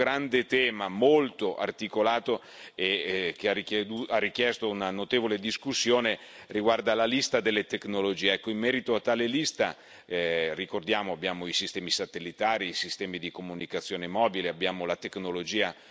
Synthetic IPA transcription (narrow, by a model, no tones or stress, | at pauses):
ɾand̪et̪ɛːmamolt̪oʔa̰rt̪ikolaːt̪o | ekeaiuarːik̟jɛst̪ounanot̪eːvoled̪iskusːjoːne | riɡward̪alalist̪ad̪elːet̪eknolod͡ʒiːeɛkːoimmɛːɾit̪oat̪ːaːlelist̪a | rikord̪jaːmoabjaːmoisist̪ɛːmisat̪elːit̪aːɾiːsist̪ɛːmid̪ikomunikat̪sːjoːnemɔːbileabːjaːmolat̪eknolod͡ʒiːa